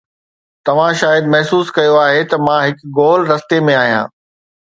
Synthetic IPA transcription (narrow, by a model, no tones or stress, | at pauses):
t̪ɐʋ̤ãʃaːjəd̪mɐɦsuːskɐjoaːɦet̪ɐmãɦɪkɡoːlɾɐst̪emẽaːɦijã̰ː